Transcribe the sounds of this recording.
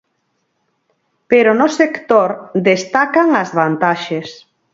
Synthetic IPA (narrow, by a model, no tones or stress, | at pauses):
peɾonosekt̪oɾd̪est̪akaŋazβant̪aʃes